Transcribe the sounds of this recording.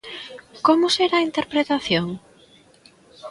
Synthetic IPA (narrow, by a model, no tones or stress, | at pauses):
komʊseɾaint̪eɾpɾet̪aθjoŋ